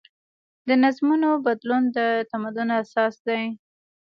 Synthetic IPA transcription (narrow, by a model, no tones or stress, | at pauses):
d̪ənazmunobad̪lund̪ət̪amad̪ʊnasɑsd̪aj